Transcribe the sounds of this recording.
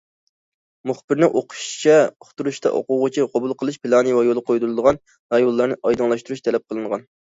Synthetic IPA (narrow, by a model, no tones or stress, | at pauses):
muχbɪɾnɪʔoqʰʊ̥ʃt͡ʃʰɛχʊ̥t̪uɾuʃt̪ʰɑ̰ʔo̰qʊʁʊt͡ʃʰiqʰɑbulˠqʰəlˠɨʃpʰɪlˠɑːnɨwɑjolˠqʰojd̪ulˠɨd̪əʁɑn | ɾɑjolˠːɑɾnɨʔɑjd̪ɨŋlˠɑʃt̪uɾuʃt̪ʰɛlɛp̚qʰəlˠɨɴʁɑn